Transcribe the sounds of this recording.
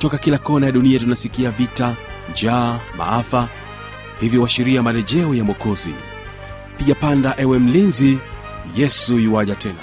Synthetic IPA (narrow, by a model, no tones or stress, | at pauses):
tɔkakilakɔnajaɗuniatunasikiavita | nd͡ʒaːma̰afa | hivjɔwaʃiɾiamalɛʄɛɔjamɔkɔzḭ | piʄapandaʔɛwɛm̩linzi | jɛsujiwaʄatʰɛna